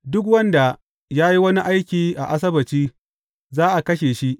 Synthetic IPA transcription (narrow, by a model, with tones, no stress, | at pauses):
dʊ˦kwɐ˦nda˨ | jaː˦ji˦wɐ˦ni˦ʔa˦jkʲiː˨ʔa̰˨ʔa˦s̬ɐ˦bɐ˨t͡ʃiː˦ | zaː˦ʔa˨kɐ˦ʃeː˨ʃi˦ʔ